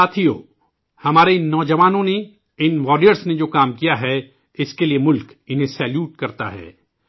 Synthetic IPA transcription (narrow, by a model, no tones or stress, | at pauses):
aːt̪ʰijo̰ː | hɐmaːɾeɪnːɔːd͡ʒɐʋaːnõne | ɪnʋɔːɾijəɾsned͡ʒoːkaːmkijaɦɛ | ɪskeliemʊlk | ɪnɦẽsɛːljuːʈkɐɾt̪a̰ɦɛ̰ː